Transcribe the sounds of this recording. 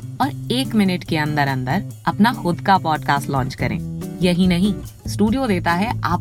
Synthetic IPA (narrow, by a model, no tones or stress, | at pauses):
ɔːɾeːkmɪnɪʈkeɐ̃nd̪əɾɐ̃nd̪əɾɐpnaxʊd̪kapɔːɖkaːsʈlɔ̃ːt͡ʃkɐɾḛ̃ːjɐɦĩnɐɦĩsʈuːɖijod̪eːt̪aɦɛaːp